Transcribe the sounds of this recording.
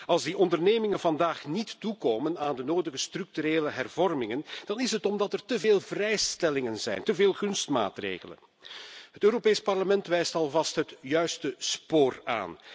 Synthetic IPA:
ɑlˠzdiʔɔndərneːmɪŋənvɑndaːχnitːukoːmənaːndənoːdəɣəstrʏk̚tyɾeːləɦɛrvɔrmɪŋənd̥ɑnɪsɦətɔmdɑtɛrtəveːlˠvrɛjstɛlɪŋənzɛ̰jntəveːlˠɣɵnstma̰ːtrḛːɣələ̰n | ɦətøːɾopeːspɑrləmɛntʋɛjstɑlˠvɑstɦətjœɥstəspoːra̰ːn

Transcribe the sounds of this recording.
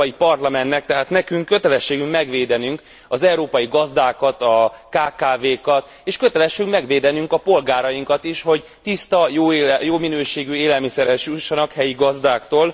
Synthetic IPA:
jipɒrlɒmɛnt̪ːɛk̚t̪ɛɦaːt̪nɛkyŋkːø̞t̪ɛlɛʃːeːɡymmɛɡʋeːd̪ɛnyŋk | ɒzɛuɾoːpɒjiɡɒzd̪aːkɒt̪ɒkaːkaːveːkɒt̪ | eːʃkø̞t̪ɛlɛʃːyŋmɛɡʋeːd̪ɛnyŋkɒpo̞lɡaːɾɒjiŋkɒt̪iʃho̞ɟ | t̪ist̪ɒjojoːminøːʃeːɡyeːlɛlmisɛɾhɛʃjuʃːɒnɒkhɛjiɡɒzd̪aːkt̪oːl

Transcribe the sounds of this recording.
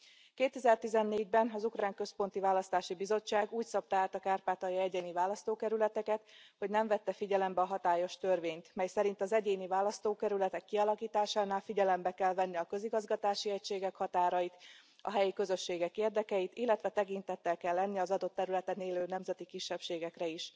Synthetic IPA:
keːt̪ɛzɛrt̪izɛnːeːɟbɛnɒzukraːŋkø̞spo̞n̪t̪ivaːlɒst̪aːʃibizo̞t͡ʃːaːɡuːcsɒp̚t̪ːɦaːt̪ɒkaːrpaːt̪ɒjiɛɟeːnivaːlɒst̪oːkɛɾylɛt̪ɛkɛt̪ho̞ɟnɛɱvɛt̪ːɛfiɟɛlɛmbɛɒɦɒt̪aːjo̞ʃt̪ørveːɲt̪mɛjsɛɾint̪ɒzɛɟeːnivaːlɒst̪oːkɛɾylɛt̪ɛkːiɒlɒkiːt̪aːʃaːnaːlfiɟɛlɛmbɛkɛlvɛnːiɒkø̞ziɡɒzɡɒt̪aːʃiɛcʃeːɡɛkhɒt̪aːɾɒjit̪ | ɒ̰ɦɛjikø̞zø̞ʃːeːɡɛkeːrd̪ɛkɛjit̪ilːɛt̪ʋɛt̪ɛkint̪ɛt̪ːɛlkɛlːɛnːiɒzɒd̪o̞t̪ːɛɾylɛt̪ɛneːløːnɛmzɛt̪ikiʃːɛpʃeːɡɛkrɛiʃ

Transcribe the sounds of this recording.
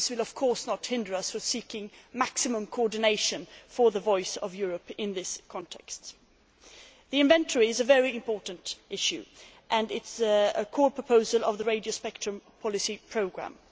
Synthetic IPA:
swɨlˠʌv̥kʰɔɹsnəthɪ̃ndə˞ʌsfəsikɪ̃ŋmæksɨmə̃mkʰoɔɹdⁿneɪʃɨ̃nfə˞ðəvɔɪsʌ̰vjʊɹəpɪ̃nðɪskʰɑ̃ntʰɛ̰kst | ðiɨ̃ɱvɛ̃ntʰə˞iɨzəvɛɹiɨ̃mpʰɔɹʔn̩tʔɪʃʉ̰ | ʔɨ̃nɪtsəkʰɔɹpʰɹ̥əpʰoʊzəlˠʌvðəɹeɪdioʊspɛk̚tɹ̥ə̃mpʰɑlˠɨsipʰɹ̥oʊɡɹæ̰̃m

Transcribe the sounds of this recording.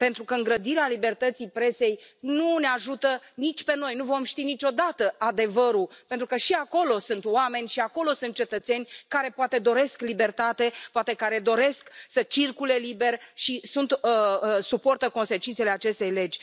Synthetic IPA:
pe̞nt̪ɾukəɨŋɡɾəd̪iɾealibe̞rt̪ət̪sipɾe̞se̞jnuneaʒut̪ənit͡ʃʲpe̞no̞jnuvo̞mʃt̪init͡ʃo̞d̪at̪əad̪e̞vəɾuppent̪ɾukəʃiako̞lo̞sɨnt̪wame̞nʲʃiako̞lo̞sɨnt̪̚t͡ʃe̞t̪ət̪se̞nʲkaɾe̞poat̪ed̪o̞ɾe̞sklibe̞rt̪at̪e̞poat̪e̞kaɾe̞d̪o̞ɾe̞sksət͡ʃirkule̞libe̞rʲʃisunt̪supo̞rt̪əko̞nse̞t͡ʃint̪se̞leat͡ʃe̞st̪e̞jle̞d͡ʒʲ

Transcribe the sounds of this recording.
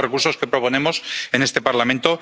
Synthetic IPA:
rekuɾso̞ske̞pɾo̞po̞ne̞mo̞se̞ne̞st̪e̞paɾlamẽnt̪o̞

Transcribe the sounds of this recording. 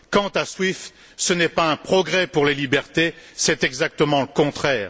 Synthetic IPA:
kɑ̃t̪aswift̪ | sənɛpaɛ̃pχɔɡʁɛpuʁlelibɛʁt̪esɛt̪ɛɡzak̚t̪əmɑ̃ləkɔ̃t̪χɛːʁ

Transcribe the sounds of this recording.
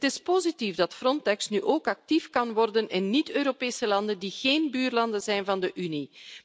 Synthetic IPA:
ətɪspozitivdɑtfrɔntɛksnyʔoːkɑk̚tifkɑnʋɔrdənɪnːitøːɾopeːsəlɑndəndiɣ̥eːnbyːrlɑndənzɛjnvɑndəʔyni

